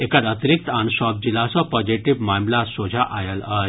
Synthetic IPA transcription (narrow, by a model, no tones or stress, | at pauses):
ekad̪at̪ɾik̚t̪ansɔp̚d͡ʑilasɔpɔd͡ʑiʈiʋmamlasod͡ʑʱaʔʔajala